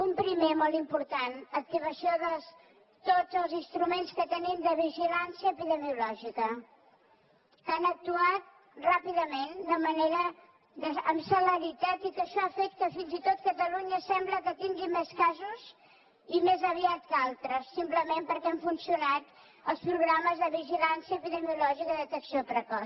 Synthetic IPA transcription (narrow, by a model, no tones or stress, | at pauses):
umpɾimemolˠt̪impuɾt̪anək̚t̪iβəsioðəs | t̪od͡zəlˠzinst̪ɾumenskət̪ənimd̪əβiʒilansiəːpiðəmiulɔʒikə | kanək̚t̪uat̪̚ | rapiðəmend̪əməneɾə | ðəəmsələɾit̪at̪ikəʃɔəfɛk̚t̪əfinzit̪ot̪̚kət̪əluɲəsɛmbləkət̪iŋɡimeskazuz | imezəβiat̪kalˠt̪ɾəsːimpləmempəɾkɛaɱfunsiunat̪ | əlˠspɾuɣɾaməzðəβiʒilansiəpiðəmiulɔʒikəðət̪əksiopɾəkɔ